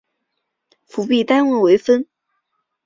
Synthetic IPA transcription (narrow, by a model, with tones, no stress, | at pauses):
fu˧˥pi˥˩t̪a˥nwə˥˩nwe˧˥ɪfə˥n